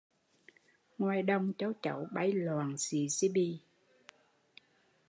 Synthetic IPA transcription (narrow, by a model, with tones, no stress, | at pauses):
ŋwaː˨˩jɗə˧wŋ͡mt͡ɕə˧˦wt͡ɕə̰˧˩˦wɓa˧˩jlwaː˨˩nsḭ˨˩˦si˧ɓi˧